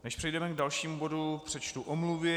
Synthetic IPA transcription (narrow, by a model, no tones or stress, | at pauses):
nɛʃpr̝̥ɛjdɛmɛɡdalʃiːmubo̞dupr̝̥ɛt͡ʃt̪uʔomluvɪ